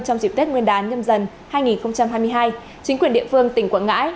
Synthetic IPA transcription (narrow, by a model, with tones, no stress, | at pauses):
t͡ɕɔ˧wŋ͡mt͡ɕi˧˩p̚t̪i˦˥t̚ŋwənɗaː˨˦nɲə˧mzə˧˩n | haː˧jŋi˨˩nxə˧wŋ͡mt͡ɕa˧mhɦaː˧jm˧əjɦaː˧j | t͡ɕï˨˦ŋ̟kwi˨˩ənɗḭ˧˨əfɨ˧əŋt̪ï˧˩ŋkwaː˧˩nŋa̰ː˧˥j